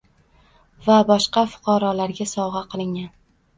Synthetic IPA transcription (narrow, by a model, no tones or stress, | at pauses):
vabɒʃqɑfʊ̥qʰɑɾɒlaɾɡʲasɒʁɑqʰɨlˠɪŋʲan